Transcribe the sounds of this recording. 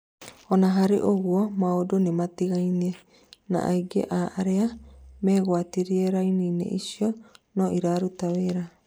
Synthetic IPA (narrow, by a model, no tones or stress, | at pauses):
onaɦaɾḭʔoɡuomaodonematiɡajne | na̰ʔajɡḛʔaːʔaɾeameɣoatiɾieɾajninḛʔisionoʔiɾaɾut̪aβeɾa